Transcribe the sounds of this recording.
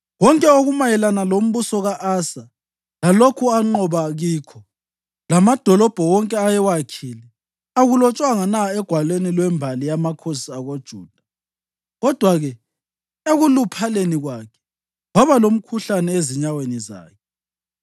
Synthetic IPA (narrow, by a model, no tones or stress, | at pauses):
wɔŋkʼɛoɣumajɛlanalom̩βusɔɣaʔasa | lalokʰuaŋ͡ǃɔβaɣiːkʰɔ | lamad̥ʱɔlɔb̥ʱɔwɔŋkʼɛajɛwakʰilɛ | aɣulɔt͡ʃʼwaŋanaɛɡ̥ʱwalwenilwɛmbʱalijamakʰosiaɣod̥ʒ̥ʱuːd̥ʱḁ | ɣɔd̥ʱwaɣɛ | eɣulupʰaleniɣwaːkʰɛ̥ | waβalom̩kʰuɬanɛeziɲaweniza̰ːkʰɛ